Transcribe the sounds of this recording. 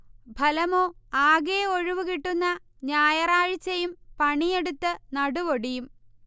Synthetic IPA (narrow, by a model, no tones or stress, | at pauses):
bʱɐlɐmo̞ːaːɣeoɻuʋukiʈːunːɐ | ɲaːjɐraːɻt͡ɕːɐjumpɐɳijeɽut̪ːɨnɐɽuʋoɽijum